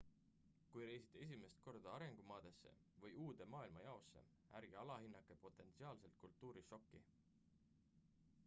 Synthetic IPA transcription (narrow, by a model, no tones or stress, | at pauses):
kujɾe̞jsi̥t̪ˑːes̬ʲime̞st̪̚ko̞rd̪̥ɑɑɾe̞ŋɡ̥umɑːd̪̥e̞sːe̞̰ | vɤjuːd̪e̞mɑːilmɑjɑo̞sːe̞̰ | æɾɡ̥iɑlɑɦinːɑkˑːe̞po̞t̪ːˑe̞nt̪siɑːlse̞lt̪̚kult̪ːˑuːɾiʃo̞kːḭ